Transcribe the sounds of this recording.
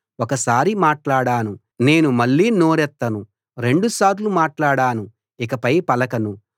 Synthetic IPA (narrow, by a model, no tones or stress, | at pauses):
ɔkɐsaːɾimaːʈlaːɽaːnu | ne̞ːnumɐɭːiːno̞ːɾɛt̪ːɐnu | ɾe̞ɳɖusaːɾlumaːʈlaːɽaːnu | ikɐpɐjpɐlɐkɐnu